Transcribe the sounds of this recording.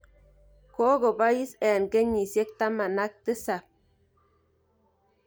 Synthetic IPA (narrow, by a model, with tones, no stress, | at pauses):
ko˦ɡo˨ba˦ji˦sɛ˨a˨nke˦ɲi˨sje˦k̚t̪a˦ma˨na˦k̚t̪ə˦sa˨p̚